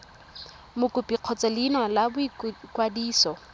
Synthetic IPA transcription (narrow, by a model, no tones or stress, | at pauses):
mʊkʼʊpʼiq͡χʰɔt͡sʼɛlinwalabʊikʼwadiːsɔ